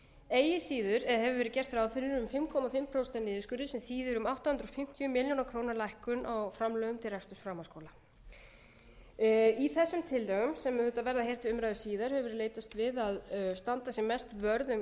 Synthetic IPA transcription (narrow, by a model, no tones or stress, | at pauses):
eːjɪsiːðʏɾɛðhɛvʏɾvɛːɾɪcɛr̥t̪fɾawfɪɾɾʏmfɪmkʰɔmafɪmpʰɾowst̪ɛnːɪːðɪskʏɾðɪsɛmθiːðʏɾʏmawht̪ahʏnɾɔfɪm̥t̪ʰjʏmɪljonakʰɾoːwnaɾlajhkʏnʔawfɾamlœːɣʏmt̪ʰɪlrast̪ʏsfɾaːmaskowla | iθɛsːʏmt̪ʰɪlːœɣʏmsɛmhʏt̪avɛɾðahejr̥t̪vɪʏmɾajðʏsiːðaɾ̥hɛvvʏɾleːjt̪ast̪vɪðaðst̪ant̪asjɛmɛst̪vœɾðʏm